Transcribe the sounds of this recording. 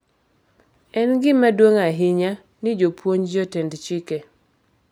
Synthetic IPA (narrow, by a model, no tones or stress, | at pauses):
ɛnɡɪmadwoŋaɦɪɲa | nɪd͡ʒopʰwoɲd͡ʒotɛndt͡ʃikɛ